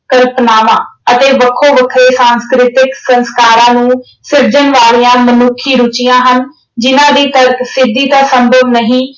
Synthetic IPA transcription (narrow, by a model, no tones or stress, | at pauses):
kəɾpnaːʋãːət̪eːʋəkʰːoːʋəkʰɾeːsaːnskɾɪt̪ɪksənskaːɾãːnũː | sɪɾd͡ʒənʋaːliːãːmənukʰːiːɾʊt͡ʃɪjãːɦən | d͡ʒɪnãːd̪iːt̪əɾksɪd̪ːiːt̪ãːsəmbʱəʋnəɦĩː